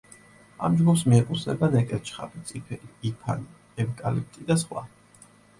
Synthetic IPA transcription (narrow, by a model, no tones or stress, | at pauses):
a̰md͡ʒɡupsmiɛkʼut̪snɛ̰banɛkʼɛɾt͡ʃʰχa̰bit̪sʼipʰipʰa̰ni | ɛvkʼalip̚t̪ʼid̪asχwa̰